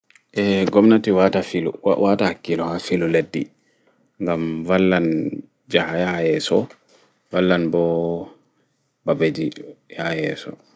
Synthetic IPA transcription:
ʔɛɡɔmnatiwatafilṵwatahakːilɔhafiluledːi | ŋɡamvalːan | d͡ʒahajahajɛsɔ | valːanbɔ | babed͡ʒijahjɛ̰sɔ̰

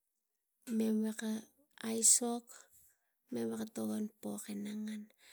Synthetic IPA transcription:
meweka | ajsok | meβekatoɣonpokenaŋan

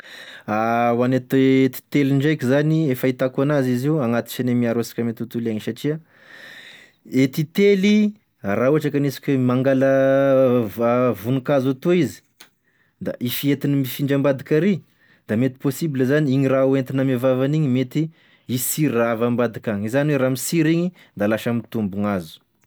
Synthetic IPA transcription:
awanet̪et̪i̥t̪eliɳɖ͡ʐajkizaniefəit̪akanaziziaŋat̪i̥t͡ʃanemiaɾosi̥kʲəmet̪ut̪ulaɲisaʈ͡ʂia | et̪it̪eli | rauaʈ͡ʂakanisi̥kʲuemaŋɡalə | vunukazat̪uizi̥ | d̪a̰ʔifiet̪inimifiɳɖ͡ʐambad̪ikʲaɾi | d̪amet̪i̥posibiləzaniiɲirauent̪inamavavaniɲimet̪i | isiɾavambad̪ikaŋizaniweɾamisiɾiɲi | d̪alaʃamit̪umbuŋazu̥

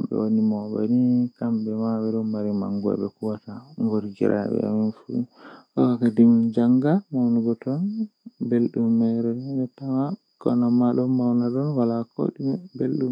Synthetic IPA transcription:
bɛ̰wonimɔba̰nikambɛmaɓɛɗɔmaɾima̰ŋɡɔ̰ɓɛ̰kuwataŋɡoɾɡḭɾʔa̰ɓɛ̰a̰minfuḭɔkakadimnd͡ʒaŋɡamawniɡɔtɔnbelɗumːɛɾɛɡɛtama | kɔ̰namaɗɔmawnadɔnwalako̰ɗimɛbelɗum

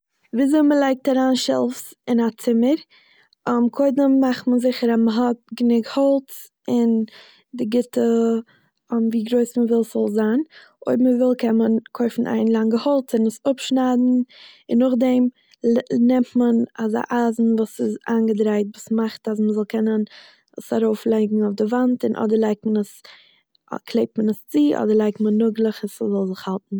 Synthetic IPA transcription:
viːzoɪməlˠaɪk̚taɾaːnʃɛ̰lˠfs | ɪnat͡sɪməɾ | ɔmkʰoɪdəmːaχtmənzɪχəɾaməɦɔt̚ɡənɪɡhɔlˠt͡s | ɪn | dɪɡɪtə | mviːɡɾoɪsməvɪlˠsɔlˠzaːn | o̰ɪbməvɪlˠkʰɛnənkʰoʏfn̩ʔa̰ɪnlˠaŋɡəhɔlˠt͡sɪnɪsʊpʃnaːdn̩ɪnːʊχdɛm | nɛmtmənaza̰ʔaːzn̩vuːsɪzaːnɡədɾaɪtvuːsmaχtas̬məzɔlˠkʰɛnən | ə̰saɾoʊflˠɛɪɡŋ̩aʊfdɪvantɪnʔɔ̰dəɾlˠaɪk̚tmənəs | kʰlˠeɪp̚tmənəst͡siːʔɔ̰dəɾlˠaɪk̚tmənːʊɡlˠəχəszɔlˠzɪχhalˠtn̩

